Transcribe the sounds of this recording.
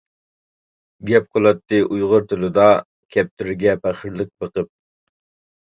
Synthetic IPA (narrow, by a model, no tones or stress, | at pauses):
ɡʲɛp̚qʰolˠɑt̪ːɨʔujʁʊɾt̪ʰʊlˠɨd̪ɑ | kʲʰɛp̚t̪ʰyɾɪɡʲɛpæχəɾlˠɨk̚bəqəp̚